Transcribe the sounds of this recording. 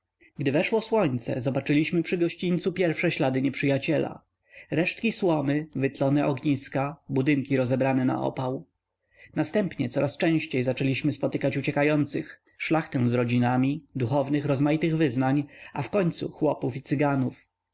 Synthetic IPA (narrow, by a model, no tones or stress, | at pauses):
ɡd̪ɘvɛʂwɔswɔɲt̪sɛ̰zɔbat͡ʂɘlʲiɕmɘpʂɘɡɔɕt͡ɕint̪supʲjɛɾfʂɛɕlad̪ɘɲɛpʂɘjat͡ɕɛla̰ | ɾɛʂt̪kʲiswɔmɘvɘt̪lɔnɛʔɔɡɲiskabud̪ɘŋkʲiɾɔzɛbɾanɛna̰ʔɔ̰paw | nast̪ɛmpɲɛt̪sɔɾast͡ʂɛ̃w̃ɕt͡ɕejzat͡ʂɛlʲiɕmɘspɔt̪ɘkat͡ɕut͡ɕɛkajɔnt̪sɘx | ʂlaxt̪ɛw̃zɾɔd͡ʑinamʲid̪uxɔvnɘxɾɔzmajit̪ɘɣvɘznaɲafkɔɲt̪sṵxwɔpufit̪sɘɡanuf